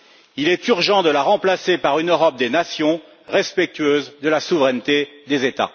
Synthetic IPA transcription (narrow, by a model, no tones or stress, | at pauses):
ilɛt̪yʁʒɑ̃d̪əlaʁɑ̃plasepaʁynøʁɔp̚d̪enasjɔ̃ | ʁɛspɛk̚t̪yɥøzd̪əlasuvʁɛnt̪ed̪ezet̪a̰